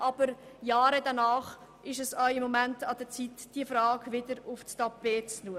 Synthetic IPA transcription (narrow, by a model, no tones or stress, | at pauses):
ʔɑb̥əɾjɑːɾədɑnɑːχʔɪʃɛsaʊɪmːɔmæntɑd̥ət͡sitd̥iəfɾɑːɡʋɪdəɾʊfstɑpeːt͡snuə